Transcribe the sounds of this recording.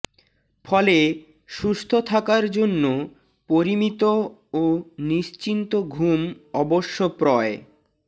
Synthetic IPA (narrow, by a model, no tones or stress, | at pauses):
fɔle | ʃust̪ʰot̪ʰakaɾd͡ʑonːo | poɾimit̪ooniʃt͡ɕint̪oɡʱumɔboʃːopɾɔe